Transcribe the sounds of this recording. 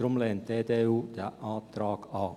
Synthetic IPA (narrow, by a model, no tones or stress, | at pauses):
ɾʊmleːnt̪̚eːd̪eːuːd̪̥eːʔɑːt̪ɾɑːɡɑː